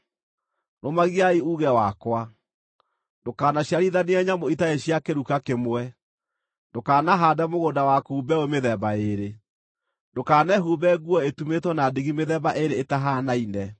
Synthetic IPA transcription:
nomaɣiaiuːɣɛwakwa | ndokaːnaɕjaɾiðaneɛɲamoitaeɕjakeɾukakemwɛ | dokaːnaɦaːdɛmoɣodawakuːbɛomeðɛbaeɾe | ndokanɛɦubɛɣwɔetumetwɔnadiɣimeðɛbaʔeɾeːtaɦanainɛ

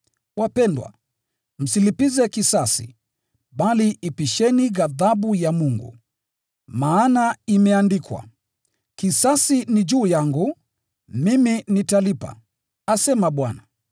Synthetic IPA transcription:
wapɛndwa̰ | m̩silipizɛkisasḭ | ɓaliipiʃɛniɣaðaɓujamuŋɡṵ | maːnaimɛandikwa̰ | kisasinid͡ʒuːjaŋɡu | miminitalipa̰ | asɛmaɓwana

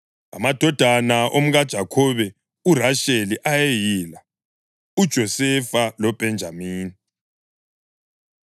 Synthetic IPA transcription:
a̰mad̥ʱɔd̥ʱanaʔom̩ɣad̥ʒ̥ʱakʰɔβɛ | uraʃeliʔajejila | ud̥ʒ̥ʱɔsɛfalɔb̥ʱɛnd͡ʒʱamiːni

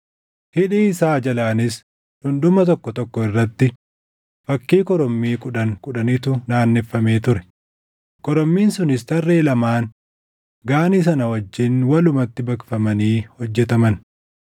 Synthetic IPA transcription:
hɪᶑiːɪsaːd͡ʒɐlaːnɪs | hʊnd̪ʊmɐt̪̬ɔkːɔt̪ɔkːɔɪrːɐt̪ːɪ | fɐkːiːkɔɾɔmːiːkʼʊᶑɐŋkʼʊᶑɐnɪt̪ʊnaːnːɛfːɐme̞ːt̪ʊɾɛ̥ | kɔɾɔmːiːnsʊnɪst̪ɐrːeːlɐmaːn | ɡaːnis̬ɐnɐwɐd͡ʒːɪnwɐlʊmɐt̪ːɪbɐkfɐmɐniːhɔd͡ʒːɛt̪ɐmɐn

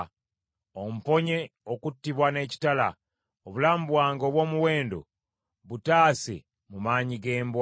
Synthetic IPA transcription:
om̩po̞ɲeokutːiβwane̞ːci̥tala̰ | oβulaːmubwaːŋɡo̞ːβwo̞ːmuwe̞ːndo̰ | βutaːse̞̰ | mumaːɲiɡe̞ːmbw

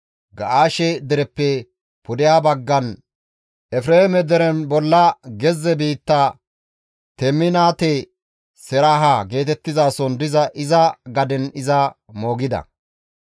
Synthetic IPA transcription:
ɡɐʔaːʃɛd̪ɛɾɛpːɛ | pʊd̪ɪjaːbɐɡːɐn | ʔɛfɾeːhmɛd̪ɛɾɛnbɔlːɐɡɛzːɛbiːt̪ːa | t̪ɛmːɪnaːt̪ɛ | sɛɾaɦaɡe̞ːt̪ɛt̪ːɪzaːsɔnd̪ɪzɐʔɪzɐɡɐd̪ɛnɪzɐmo̞ːɡɪd̪ɐ̰

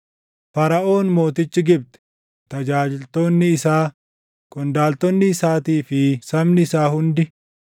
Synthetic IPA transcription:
fɐɾɐʔo̞ːnmo̞ːt̪ɪt͡ʃːɪɡɪb̚t̪ɛ̥ | t̪ɐd͡ʒaːd͡ʒɪlt̪o̞ːnːɪːsaː | kʼɔnd̪aːlt̪ɔnːɪːsaːt̪iːfɪsɐmnɪɪsaːhʊnd̪ɪ

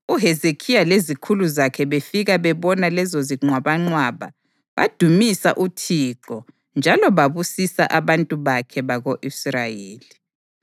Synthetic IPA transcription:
uɦezekʰijalezikʰuluzakʰɛβefiɣaβɛβɔnalɛzɔziŋwaβaŋ͡ǀwaːβa̰ | βa̰d̥ʱumisa̰ʔutʰiǃɔ | nd͡ʒʱalɔβaβusisa̰ʔaβantʼuβakʰɛβaɣoʔisrajeːli

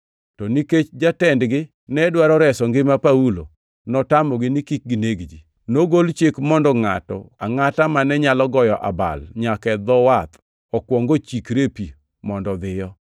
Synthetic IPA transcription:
tɔniket͡ʃd͡ʒatɛndɡɪ | nɛdwaɾɔɾɛsɔŋɡɪmapaulo̰ | nɔtamɔɡɪnikik̚ɡineɡd͡ʒi | noɡolt͡ʃekmɔndɔŋa̰tɔ̰a̰ŋatamanɛɲalɔɡɔjɔʔa̰ba̰lɲakɛd̪ɔwat̪ | ɔkwɔŋɡot͡ʃikɾepi | mɔndɔd̪ɪjɔ

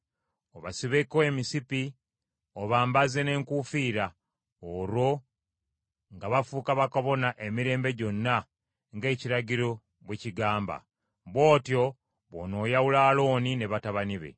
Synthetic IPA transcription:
oβasiβekoe̞misipi | oβaːmbaze̞ne̞ːŋkufiːɾa | oɾwo̞ | ŋɡaβafuːkaβakoβo̞naʔe̞miɾe̞ːmbe̞ɟo̞nːa | ŋɡe̞ːciɾaɟiɾo̞ | βweciɡaːmba̰ | βwo̞ːtjo̞ | βo̰no̞ːjawulaːlo̞ːnine̞βataβaniβe̞̰

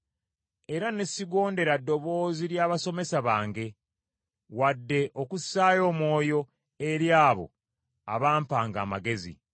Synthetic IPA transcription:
e̞ɾanesiɡo̞ːnde̞ɾadːo̞βo̞ːziɾjaːβaso̞me̞saβaːŋɡe̞ | wadːe̞ʔokusaːjo̞ːmwo̞ːjo̞ | eɾjaːβo̞̰ | a̰βaːmpaːŋɡa̰ːmaɡe̞zḭ

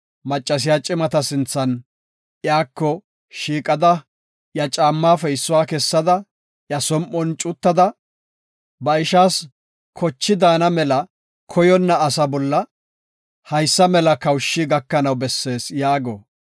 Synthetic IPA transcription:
mɐt͡ʃʼːɐs̬ɪjaːt͡ʃʼɪmɐt̪ɐsɪnt͡sːɐn | jaːkːɔ | ʃiːkʼɐd̪ɐ | jɐt͡ʃʼaːmːaːfɛɪsːʊwaːkɛsːɐd̪ɐ | jɐsɔmʔɔnt͡ʃʼʊt̪ːɐd̪ɐ | bɐɪʃaːs | kʰɔt͡ʃːɪd̪aːnɐmɛlɐ | kʰɔjɔnːɐːsɐbɔlːɐ | hɐjsːɐmɛlɐkɐwʃːiɡɐkːɐnɐwbɛsːe̞ːsjaːɡɔ

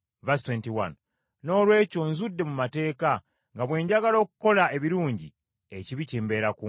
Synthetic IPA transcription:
vastwentiwa̰n | no̞ːlwe̞ːco̞nzudːe̞mumate̞ːka | ŋɡaβwe̞ːɲɟaɡalo̞ːku̥ko̞lae̞βiɾuːɲɟi | eciβiceːmbe̞ɾaku

